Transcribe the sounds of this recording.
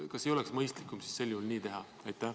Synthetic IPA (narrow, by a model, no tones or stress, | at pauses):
kɑsːejo̞leksmɤjst̪likːˑumsi̥sse̞lʲːjuhulniːt̪e̞ɦɑ | ɑjt̪ːˑæ